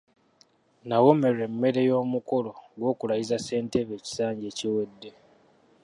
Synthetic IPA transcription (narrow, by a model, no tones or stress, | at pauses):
nawo̞me̞re̞mːe̞ɾe̞jo̞ːmuko̞loɡwo̞ːkulajizase̞ːnte̞βe̞ːci̥saːɲɟe̞ːciwe̞dːe̞